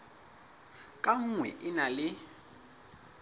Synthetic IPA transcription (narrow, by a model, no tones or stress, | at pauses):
kʼaŋ̩ŋwɛ̰ʔɪnalɪ